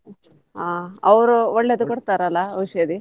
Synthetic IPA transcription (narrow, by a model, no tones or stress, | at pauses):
aːɐʋɾuoɭːed̪ukoɽt̪aːɾɐlːaɐʋiʂjɐd̪i